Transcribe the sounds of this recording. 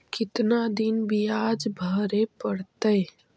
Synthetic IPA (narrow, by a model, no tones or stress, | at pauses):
kɪt̪nad̪inbijaːd͡ʒbʱəɾepəɽt̪əj